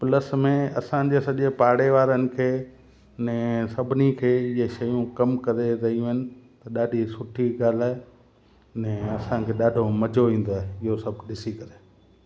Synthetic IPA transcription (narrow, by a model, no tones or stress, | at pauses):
pləsmẽɐsãd͡ʑeːsɐʄepaːɽeʋaːɾənɪ̆kʰeː | nɛ̃sɐbʱɪnikʰeːɪɦeʃɐjũkɐmkɐɾeɾɐɦijũɦɪnɪ̆t̪ɐɗaːɖʱisʊʈʰiɡaːlaːe | nɛ̃ɐsãkʰeːɗaːɖʱomɐd͡ʑʱoʋĩːn̆d̪oaːɦeɪɦosɐbʱɗɪsikɐɾeː